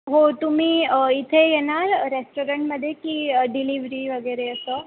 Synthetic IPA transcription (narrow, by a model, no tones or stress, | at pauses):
ɦot̪umiːit̪ʰejenalɾesʈoɾəɳʈməd̪ʱːjekiːɖiliʋɾiʋəɡəɾeəsə